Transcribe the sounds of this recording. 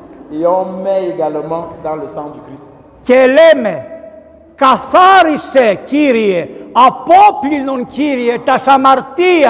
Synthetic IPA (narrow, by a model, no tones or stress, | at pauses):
eɔ̃mɛeɡalmɑ̃d̪ɑ̃ləsɑ̃d̪ykʁist̪ | kelɛme | kafaɾisekiɾieapɔplinɔ̃ŋkʲiɾjet̪asamaɾt̪ia